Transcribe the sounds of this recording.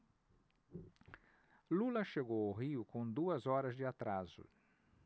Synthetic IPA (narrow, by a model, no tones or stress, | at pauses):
lulɐʃeɡowaɦiʊkõd̪uɐzɔɾɐzd͡ʒɪat̪ɾazʊ̰